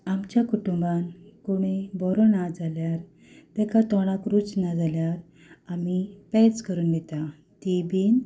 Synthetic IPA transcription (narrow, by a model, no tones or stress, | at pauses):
amt͡ɕjakuʈumbankoɽ̃ebɔɾɔnad͡zaljaɾ | t̪ɛ̃kat̪ɔɽ̃ãkɾut͡snad͡zaljaɾ | amipɛt͡skəɾuːnbit̪a | t̪ibiːn